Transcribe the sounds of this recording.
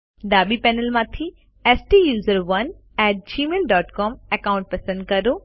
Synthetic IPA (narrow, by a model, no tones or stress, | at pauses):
d̪aːɓipɛːnəlmãːt̪ʰi | ɛːsʈiːjuːzəɾʋɐn | ɛːʈ̚d͡ʑiːmeːlɖɔːʈkɔːmekãːʊ̃ɳʈ̚pɐsə̃nd̪̚kɐɾoː